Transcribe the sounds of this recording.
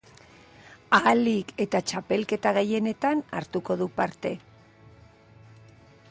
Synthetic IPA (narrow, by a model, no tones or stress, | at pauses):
alike̞t̪at͡ʃape̞lke̞t̪aɣeje̞ne̞t̪ana̰ɾt̪uko̞ðupaɾt̪e̞